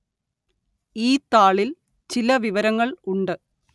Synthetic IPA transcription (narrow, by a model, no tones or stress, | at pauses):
iːt̪aːɭil | t͡ɕilɐʋiʋɐɾɐŋːɐɭuɳɖɨ